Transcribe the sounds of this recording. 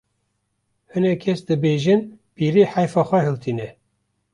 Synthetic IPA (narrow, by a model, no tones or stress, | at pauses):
hɨnɛkʰɛsd̪ɨbeːʒɨnpiːɾiːħajfɑːxʷɛhɨlt̪ʰiːnɛ